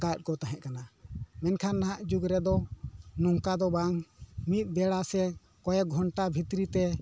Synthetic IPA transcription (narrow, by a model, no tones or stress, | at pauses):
ɡat̚kɔt̪aɦɛ̃ʔ̪̚kanamɛnkʰanːaɦaʔd͡ʒuɡɾɛd̪ɔnɔŋkad̪ɔbaŋmit̪̚ˀbɛɽasɛ | kɔjɛɡʱɔɳʈabʱit̪ɾit̪ɛ